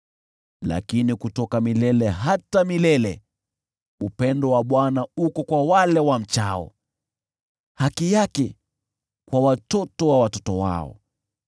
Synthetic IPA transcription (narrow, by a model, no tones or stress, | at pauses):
la̰kinikutɔkamilɛlɛɦatamilɛlɛ | upɛndɔwaɓwanaukɔkwawalɛwam̩t͡ʃaɔ̰ | hakijakɛ | kwawatɔtɔwawatɔtɔwa̰ɔ̰